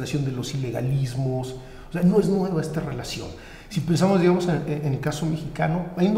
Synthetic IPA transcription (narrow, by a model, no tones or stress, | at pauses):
lasjo̞nd̪e̞lo̞sile̞ɣa̰lizmos | ose̞ano̞e̞znweβae̞st̪are̞lasjo̞̰n | sipe̞ns̬amozðiɣamo̞seeenelkaso̞me̞xikano̞ajund̪